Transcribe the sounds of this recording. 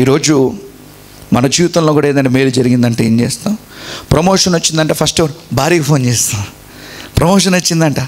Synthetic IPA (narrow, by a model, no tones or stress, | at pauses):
iːɾo̞ːd͡ʒu | mɐnɐd͡ʒiːʋit̪ɐmlo̞ːkuːɽaenɐɳʈemeːɾud͡ʒɐɾiɡind̪ɐɳʈeeːɲt͡ʃeːst̪aːm | pɾɐmoːʂɐnot͡ʃːind̪ɐɳʈeːpʰɐsʈʋɐɾbʱaːɾiːɡɐpʰo̞ːnt͡ʃeːst̪aː | pɾɐmoːʂ̬ɐnot͡ʃːind̪ɐɳʈaː